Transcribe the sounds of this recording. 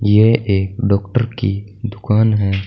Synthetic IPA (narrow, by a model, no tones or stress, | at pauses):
jeʔeːkɖɔːkʈəɾki | d̪ʊkaːnɦɛː